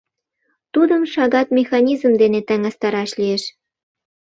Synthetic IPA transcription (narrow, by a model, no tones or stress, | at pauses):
t̪ud̪ə̆mʃɑɣɑt̪mʲexɑnʲizəmd̪enet̪æŋɑst̪ɑɾɑʃlijeʃ